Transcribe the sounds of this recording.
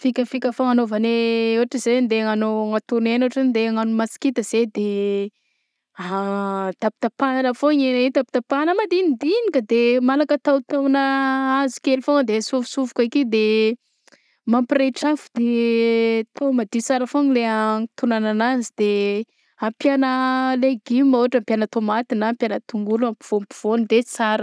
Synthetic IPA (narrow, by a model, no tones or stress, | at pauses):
fikʲəfikʲəfaŋanovaneuaʈ͡ʂizend̪eŋanoŋat̪unenuaʈ͡ʂannd̪eaŋanumasi̥kit̪əz̥ed̪e | at̪apit̪apanalafoɲenait̪api̥t̪apanəmad̪inid̪inikəd̪emalakət̪awt̪awnəazi̥kelifoŋd̪easuvusuvukaikid̪e | mampireʈ͡ʂafud̪̥e | t̪omad̪it͡saɾəfonileat̪unananazid̪e | ampjanəleɡimoaʈ͡ʂampjanət̪omat̪inaːmpjanət̪uŋɡuluampi̥v̥ompi̥v̥onid̪et͡saɾə